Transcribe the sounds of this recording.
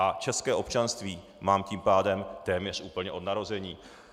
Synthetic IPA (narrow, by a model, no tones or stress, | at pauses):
ʔat͡ʃɛskɛːʔo̞pt͡ʃanst̪viː | maːmciːmpaːdɛmt̪ɛːmɲɛr̝ʔuːpl̩ɲɛʔo̞dnaɾo̞zɛɲiː